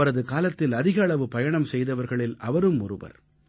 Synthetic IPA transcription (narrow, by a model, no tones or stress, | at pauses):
ɐɾɐðɯkaːlɐt̪ːɪlɐðɪɣɐːɭɐʋɯpɐjɐɳɐmsɛjðɐʋɐɾɣɐɭɪlɐʋɐɾɯmʊrɯʋɐ̰ɾ